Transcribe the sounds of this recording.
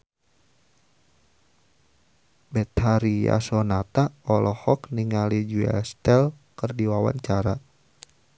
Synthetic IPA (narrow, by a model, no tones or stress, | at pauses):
bɛt̪haɾija̰sɔnat̪aɔlɔhɔkniŋalid͡ʒuɛ̰st̪ɛl | kərdiwawa̰ɲt͡ʃaɾa